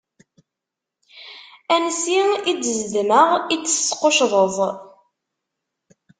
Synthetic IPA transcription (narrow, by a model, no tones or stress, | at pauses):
ænsiidəzdməʁit͡sːə̥sqoʃðˤəðˤ